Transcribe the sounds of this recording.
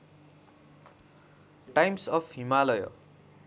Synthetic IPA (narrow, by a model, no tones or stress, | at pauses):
ʈajmsʌpʰimalʌjʌ̰